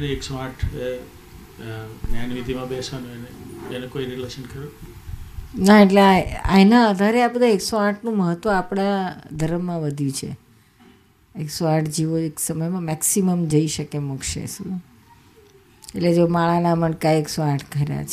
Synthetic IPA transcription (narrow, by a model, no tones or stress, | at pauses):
əneeksoãʈʰe | njanʋit̪imãbesanũeneenekoiɾileʃənkəɾo | naeʈleaa̰inãəd̪ʱaɾeabəd̪ʱaeksoaʈʰnũməɦət̪ːʋəapɽad̪ʱəɾəmːãʋəd̪ʱjũt͡ʃʰḛ | eksoaʈʰd͡ʒiʋoeksəməjmãmɛksiməmd͡ʒəiʃəkemukʃḛsu | eʈled͡ʒomaɭanaməɳɖkaeksoaʈʰkəɾja̰t͡ʃʰe